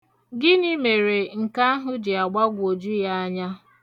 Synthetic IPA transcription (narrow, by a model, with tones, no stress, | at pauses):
ɡɪ˦ɲɪ˦me˨ɾe˨ŋ̩˨ka˦a˦ɦʊ˦d͡ʒɪ˨a˨ɡ͡ba˦ɡʷo˨d͡ʒu˦ja˦a˦ɲa˦